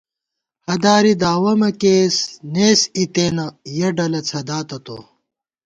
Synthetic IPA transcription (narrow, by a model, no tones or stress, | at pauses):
hɐd̪aːɾid̪aːwɐmɐkeːsneːsit̪eːnɐjɐɖɐlɐt͡sʰɐd̪aːt̪ɐt̪o̰